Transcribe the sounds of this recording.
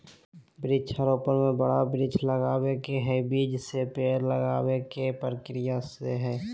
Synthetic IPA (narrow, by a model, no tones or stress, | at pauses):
bɾit͡ʃʰəɾoːpəɾmẽbəɽabɾit͡ʃʰləɡaːwekeɦɛbiːd͡ʒsepeːɾləɡaːwekepɾəkɾɪjaseɦɛː